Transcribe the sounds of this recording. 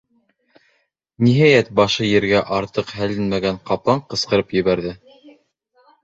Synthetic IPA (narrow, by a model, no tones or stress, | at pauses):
niɦæjæt̪̚bɑʃɤjɘ̆ɾɡæʔɑɾt̪ɤqhælɘnmæɡæɴqɑplˠɑɴqɤ̆sqɤ̆ɾɤpjɘ̆βæɾðɘ